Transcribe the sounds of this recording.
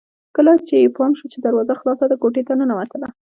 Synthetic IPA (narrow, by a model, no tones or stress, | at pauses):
kəlat͡ʃejepɑmʃut͡ʃed̪aɾwɑzaxlɑsad̪əɡoʈet̪anənawat̪əla